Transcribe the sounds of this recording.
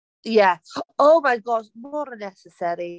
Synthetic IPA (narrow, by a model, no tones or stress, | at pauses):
jæoʊmajɡɔʃmɔɾənɛsəsɛɾi